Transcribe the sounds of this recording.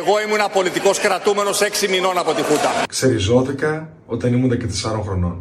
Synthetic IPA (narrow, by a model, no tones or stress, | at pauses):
eɣoimuenɐpo̞lit̪iko̞skɾɐt̪ume̞no̞seksimino̞nɐpo̞t̪ixut̪ɐkseɾizot̪ikɐ | ot̪ɐnimunðecet̪esɐɾoŋxɾono̰n